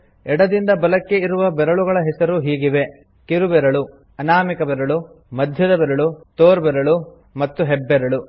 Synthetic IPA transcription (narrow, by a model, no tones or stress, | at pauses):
ɛɽɐd̪ind̪ɐbɐlɐkːe̞iɾuʋɐbɛɾɐɭuɣɐɭɐɦɛsɐɾuɦiːɡiʋe̞ | kiɾubɛɾɐɭu | ɐnaːmikɐbɛɾɐɭu | mɐd̪ʱjɐd̪ɐbɛɾɐɭut̪oːɾbɛɾɐɭu | mɐt̪ːuɦɛbːɛɾɐɭu